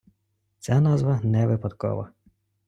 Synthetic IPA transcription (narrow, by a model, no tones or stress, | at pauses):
t͡sʲanɑzʋɐnɛʋɪpɐd̪kɔ̰ʋɐ̰